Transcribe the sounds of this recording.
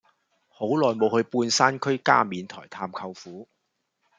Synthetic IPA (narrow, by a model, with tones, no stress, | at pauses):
ho˨˥wlɔː˨jmo˨˧whɵ˧ɥpuː˧nsaː˥nkʰɵ˥ɥka̰ː˥miː˨˧nt̪ʰɔː˨˩jt̪ʰaː˧mkʰɐ˧wfuː˨˥